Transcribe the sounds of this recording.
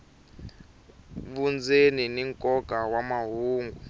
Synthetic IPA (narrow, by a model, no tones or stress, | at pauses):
βund͡zeniniŋkʼɔɡʱawamaɦuːŋɡu